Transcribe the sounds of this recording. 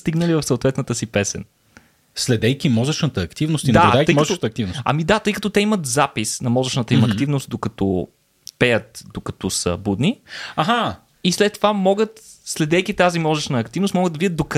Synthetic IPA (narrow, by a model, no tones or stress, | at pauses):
st̪iɡnəlivɐfsəoʊt̪vɛt̪nət̪əsipɛsɛ̰n | slɛd̪ɛjkʲimɔzət͡ʃnət̪əːkt̪ivnost̪ind̪aɾd̪ajk̪əimɔzət̪əːk̚t̪ivnosɐ̰mid̪at̪ɤjkɐt̪ɔt̪ɛimət̪zapisnɐmɔzəʃnət̪əimɐk̪ivnost̪̚d̪okɐt̪ɔ | pɛjət̪̚d̪okɐt̪ɔsə̰bud̪niaɦa | islɛt̪ːovamɔɡət̪slɛd̪ɛjk̟it̪azimɔzəʃnəːkt̪ivnost̪mɔɡəd̪d̪vid̪ʲət̪d̪okɐ